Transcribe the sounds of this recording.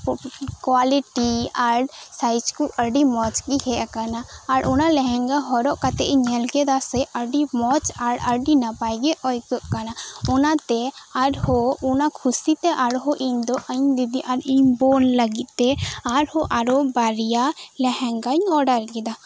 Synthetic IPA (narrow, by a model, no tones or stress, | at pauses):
kwaliʈiaɾsajt͡ʃkuʔəɖimɔt͡ʃkihɛʔakanaːɾʔɔnalɛɦɛŋɡaɦɔɾɔʔkat̪ɛʔɲɛlɡɛd̪asɛʔəɖimɔt͡ʃaɾəɖinapajɡɛʔɔjɡɔʔkanaɔnat̪ɛaɾhɔɔnakʰusit̪ɛʔaɾɦɔʔiɲd̪ɔʔəɲd̪id̪iʔaɾiɲbɔnləɡit̪̚ˀt̪ɛaɾhɔʔaɾɔbaɾijalɛhɛŋɡaɲɔɖəɾkɛd̪a